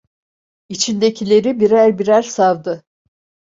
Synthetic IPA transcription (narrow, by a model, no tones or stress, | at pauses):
it͡ʃʰind̪e̞cʰilʲe̞ɾibiɾæɾbiɾæɾsavd̪ɯ